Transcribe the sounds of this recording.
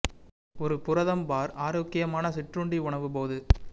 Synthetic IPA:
ɔɾɯpʊɾɐðɐmbaːɾaːɾoːkːɪjɐmaːnɐsɪʈrʊɳɖiʊɳɐʋɯp̬oːðɯ

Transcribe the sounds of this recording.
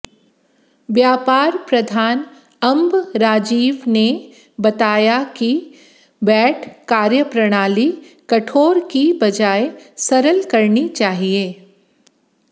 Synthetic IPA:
ʋjaːpaːɾpɾɐd̪ʱaːn | ɐ̃mbɾaːd͡ʒiːʋne | bɐt̪aːjaki | bɛːʈʰkaːɾjəpɾɐɽ̃aːlikɐʈʰoːɾkibɐd͡ʒaːesɐɾəlkɐɾnit͡ʃaːɦieː

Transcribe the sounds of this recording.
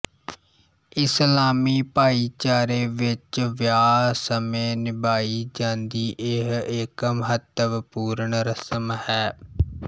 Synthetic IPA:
ɪslaːmiːpaːiːt͡ʃaːɾeːʋɪt͡ʃʋjaːsəmẽːnɪbaːiːd͡ʒãːnd̪iːʔɪɦɪkməɦət̪əʋpuːɾəɳɾəsəmhɛː

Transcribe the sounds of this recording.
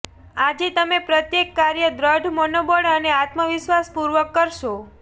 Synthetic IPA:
ad͡ʒet̪əmepɾət̪jekːaɾjəd̪ɾəɖʱmɔnobəɽəneat̪məʋɪʃʋaspuɾʋəkːəɾʃo

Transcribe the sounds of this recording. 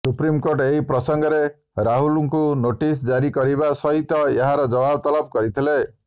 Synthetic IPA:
supɾimkoɾʈeɦipɾɔsɔŋɡɔɾe | ɾaɦuluŋkunoʈisd͡ʒaɾikɔɾiβasɔɦit̪ɔeɦaɾɔd͡ʒɔbabt̪ɔlɔb̚kɔɾit̪ʰile

